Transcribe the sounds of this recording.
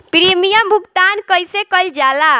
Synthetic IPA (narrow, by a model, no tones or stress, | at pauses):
piɾimijəmbʱukt̪ankəjsekəjld͡ʒala